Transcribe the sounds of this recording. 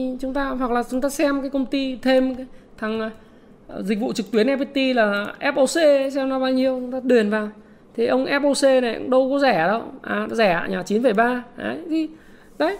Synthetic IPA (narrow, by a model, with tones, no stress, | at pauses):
t͡ɕʊ˨˦ŋ͡mt̪aː˧ɦwa˨˩k̚laː˨˩t͡ɕʊ˨˦ŋ͡mt̪aː˧sɛ˧mkaː˨˦kə˧wŋ͡mt̪i˧t̪ʰe˧m˨˦t̪ʰa˨˩ŋ˨˩ | zï̟˨˩vṵ˧˨t͡ɕɨ˨˩k̚t̪wi˨˦ənʔɛ˧˥pi˧˥t̪i˧laː˨˩ʔɛ˦˥p̚ʔo˧se˧˦sɛ˧mnɔ˨˦ɓaː˧wɲi˧əwt͡ɕʊ˨˦ŋ͡mt̪aː˧ɗi˨˩ənvaː˨˩w | t̪ʰi˨˩ʔə˧wŋ͡mʔɛ˦˥p̚ʔo˧se˧na˨˩˦ŋ͡mɗə˧wkɔ˨˦zɛ˧˩˨ɗə˧wʔaː˨˩˨zɛ˧˩a̰˨ɲaː˨˩t͡ɕi˨˦nfə˧˩jɓaː˧ʔə̰˨˦jti˧˦ | ɗə˨˦j